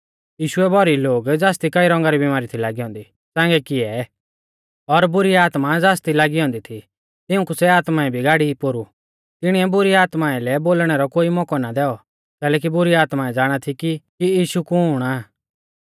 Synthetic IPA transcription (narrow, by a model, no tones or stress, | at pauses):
jiːʃuɛbʱɔɾiloːɡd͡zaːst̪ikɐiɾɔ̃ŋɡaɾibɪmaːɾit̪ʰilaːɡiɦɔ̃ːnd̪i | sãːŋɡɛkɪɛ | ɔɾbʊɾiaːt̪mad͡zaːst̪ilaːɡiɦɔ̃ːnd̪it̪ʰi | t̪ɪʊ̃kusɛaːt̪maɛbʱiɡaːɽipoɾu | t̪ɪɽ̃iɛbʊɾiaːt̪maɛlɛboːlɽ̃ɛɾɔkoːimɔkɔnad̪ɛːɔ | kɛːlɛːk̬ibʊɾiaːt̪maɛd͡zaːɽ̃at̪ʰikikijiːʃukuʊɽ̃aː